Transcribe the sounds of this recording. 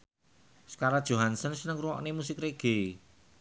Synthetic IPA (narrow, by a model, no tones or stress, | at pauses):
sə̥kaɾad̥ʒ̥o̤ɦansənsənəŋruwɔ̰ʔnemusɪkreɡ̥e